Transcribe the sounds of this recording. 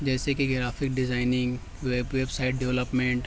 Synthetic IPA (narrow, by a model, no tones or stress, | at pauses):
d͡ʒɛːsekiɡɾaːfʰɪk̚ɖɪzaːɪnɪ̃ŋɡ | ʋebʋebsaːɪʈ̚ɖɛʋləpmẽɳʈ